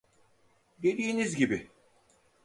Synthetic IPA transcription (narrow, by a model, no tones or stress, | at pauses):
d̪e̞d̪iːnizɟibi